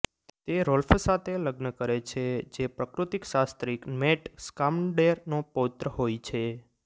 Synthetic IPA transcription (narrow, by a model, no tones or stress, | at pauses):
t̪eɾolfsat̪ʰeləɡnəkəɾet͡ʃʰed͡ʒepɾəkɾut̪ikʃast̪ɾikmeʈskamɖeɾnopot̪ɾəɦojt͡ʃʰe